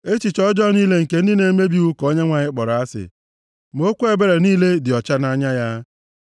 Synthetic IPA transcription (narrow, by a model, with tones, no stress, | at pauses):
e˦t͡ʃi˨t͡ʃɔ˦d͡ʒɔ˦niː˦le˦ŋ̩˨ke˦n̩˦di˦ne˦me˦bi˦u˦ko˦ɲe˦ŋʷa˨ɲɪ˦k͡pɔ˨ɾa˦sɪ̰˨ | m˨o˦kʷu˦e˦˨be˦ɾe˨niː˦le˦dɪ˨ɔ˨t͡ʃa˦na˦ɲa˦ja˦